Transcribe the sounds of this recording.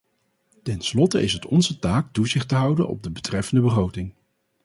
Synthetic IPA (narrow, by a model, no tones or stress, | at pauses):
tɛnslɔtəʔɪsətɔnzətaːk̚tuzɪχtəɦʌwdənɔ̰b̚dəbətrɛfəndəbəχrowtɪŋ